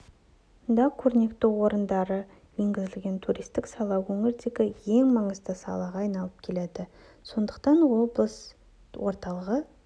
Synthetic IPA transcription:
nd̪ɑkʲʰɵɾne̞kt̪ɪwo̞ɾənd̪ɑɾə | je̞ŋɡʲɪzɪlɡʲe̞nt̪ʰuɾist̪ɪksɑlˠɑwɵŋɪɾd̪e̞ɡʲɪje̞ŋmɑɴəzd̪əsɑ̰lˠɑʁɑːjnɑlˠəp̚kʲʰe̞led̪ɪ | so̞nd̪əqt̪ɑnwoblˠəs | wo̞ɾt̪ɑlˠəʁə

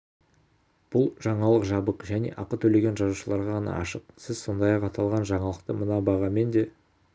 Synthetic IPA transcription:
b̥ʊlˠʒ̥ɑɴɑlˠəqʒɑbəqʒæne̞̰ʔɑqət̪ʰɵle̞ɡʲe̞nʒɑzuʃəlˠɑɾʁɑʁɑnɑ̰ɑʃəqsɪzso̞nd̪ɑjɑqɑt̪ʰɑlˠʁɑnʒɑɴɑlˠəqt̪əmənɑbɑʁɑme̞nd̪e̞

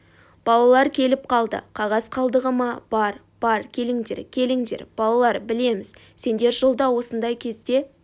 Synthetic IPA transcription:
b̥ɑlˠɑlˠɑɾkʲʰe̞lɪp̚qʰɑlˠd̪ə̰qʰɑʁɑsqʰɑlˠd̪əʁəmɑb̥ɑɾ | b̥ɑɾkʲʰe̞lɪŋd̪e̞̰ɾkʲʰe̞lɪŋd̪e̞̰ɾb̥ɑlˠɑlˠɑɾbɪle̞mɪz̥ | se̞nd̪e̞ɾʒəlˠd̪ɑwo̞sənd̪ɑjkʲʰe̞zd̪e̞

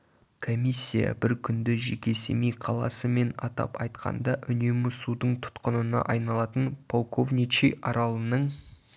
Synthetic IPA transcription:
kʰo̞mijsʲːijɑ̰bɪɾkʲʰʏnd̪ɪʒe̞kʲe̞semijqʰɑlˠɑ̰səme̞nɑt̪ɑ̰pɑjt̪qʰɑ̰nd̪ɑʔʏne̞mɪsud̪əɴt̪ʰʊ̥t̪qənənɑ̰ʔɑjnɑlˠɑt̪ənpʰo̞lˠkovnʲit͡ʃijʔɑɾɑlˠənəɴ

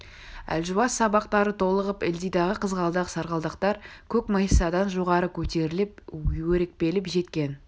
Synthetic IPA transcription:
æ̰lʒuwɑsːɑbɑqt̪ɑɾət̪ʰo̞lˠəʁəpɪld̪ijd̪ɑʁəqʰəzʁɑlˠd̪ɑqsɑɾʁɑlˠd̪əqt̪ɑɾkʲʰɵkməjsɑd̪ɑnʒo̞ʁɑɾəkʲʰɵt̪e̞ɾɪlɪp̚wɵɾek̚pe̞lɪpʒe̞t̪kʲe̞n

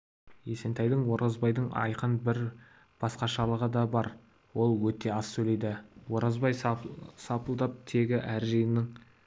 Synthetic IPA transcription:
jese̞nt̪ɑjd̪əɴwo̞ɾʔɑzbɑjd̪əɴɑ̰jqənbɪɾ | b̥ɑsqɑʃɑlˠəʁəd̪ɑbɑɾ | wo̞lˠwɵt̪e̞ɑsːɵle̞jd̪ɪwo̞ɾɑzbɑjsɑpəlˠd̪ɑp̚t̪ʰe̞ɡʲɪʔæɾʒejɪnɪɴ

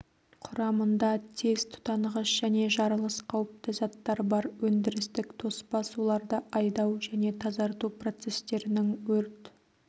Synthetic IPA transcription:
qʰʊɾɑmənd̪ɑt̪ʰe̞zt̪ʰʊ̥t̪ɑɴʁəʃʒ̥æne̞ʒɑɾəlˠəsqʰɑwəp̚t̪əzɑt̪ːɑɾbɑɾwɵnd̪ɪɾɪst̪ɪkt̪ʰo̞spɑsulˠɑɾd̪əʔɑjd̪ɑwʒæne̞t̪ʰɑzɑɾt̪upro̞t̪se̞st̪e̞ɾɪnɪŋwɵɾt̪

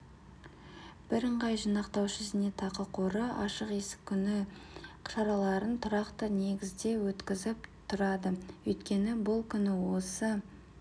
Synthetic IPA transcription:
b̥ɪɾəɴʁɑjʒinɑqt̪ɑwʃɪzɪne̞t̪ʰɑqəqʰo̞ɾəɑʃəqe̞sɪ̥kʲʰːʏnɪqʰʃɑɾɑlˠɑɾənt̪ʰʊɾɑqt̪əne̞ɡʲɪzd̪e̞wɵt̪kʲɪzɪpt̪ʰʊɾɑd̪əwɵjt̪kʲe̞nɪbʊlˠkʲʰʏnɪwo̞sə

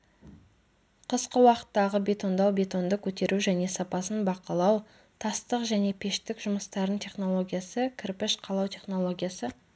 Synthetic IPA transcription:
qʰəsqəwɑqə̥t̪ːɑʁəbʲe̞t̪o̞nd̪ɑwbʲe̞t̪o̞nd̪əkʲʰɵt̪e̞ɾʔuʒæne̞sɑpɑsənbɑqɑlˠɑw | t̪ʰɑst̪əqʒæne̞pʰe̞ʃt̪ɪkʒʊməst̪ɑɾənt̪ʰʲe̞χno̞lˠo̞ɡʲijasəkʲʰɪrpɪʃqʰɑlˠɑwt̪ʲʰe̞χno̞lˠo̞ɡʲijasə

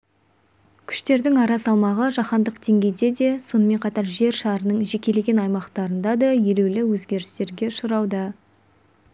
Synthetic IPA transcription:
kʲʰʏ̥ʃt̪e̞ɾd̪ɪŋɑɾɑsɑlˠmɑʁəʒɑχɑnd̪əqd̪e̞ŋɡʲe̞jd̪e̞d̪e̞so̞nəme̞ɴqʰɑt̪ɑɾʒe̞ɾʃɑɾənəɴʒe̞kʲe̞le̞ɡʲe̞nɑjmɑqt̪ɑɾənd̪ɑd̪ɑje̞ɾewlɪwɵzɡʲe̞ɾɪ̥st̪e̞ɾɡʲe̞ʃʊɾɑwd̪ɑ

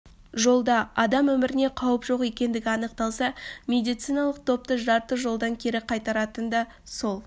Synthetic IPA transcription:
ʒo̞lˠd̪ɑɑd̪ɑmwɵmɪɾɪne̞qʰɑwəpʒo̞qje̞kʲe̞nd̪ɪɡʲɪɑnəqt̪ɑlˠsɑmʲe̞d̪ijt̪sijnɑlˠəq̚t̪ʰo̞p̚t̪əʒɑɾt̪əʒo̞lˠd̪ɑŋkʲʰe̞ɾɪqʰɑjt̪ɑɾɑt̪ənd̪ɑ | so̞lˠ

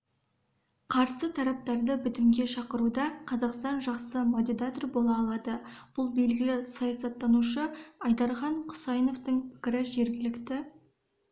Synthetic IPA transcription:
qʰɑɾsət̪ʰɑɾɑp̚t̪ɑɾd̪əbɪt̪ɪmɡʲe̞ʃɑqəɾud̪ɑqʰɑzɑqst̪ɑnʒɑqsəmod̪ʲid̪at̪orbo̞lˠɑːlˠɑd̪əb̥ʊlˠbe̞lɡʲɪlɪsɑjɑsɑt̪ːɑnuʃəɑjd̪ɑɾχɑɴqʰʊ̥sɑjno̞ft̪əɴpʰɪ̥kʲɪɾɪʒe̞ɾɡʲɪlɪkt̪ɪ

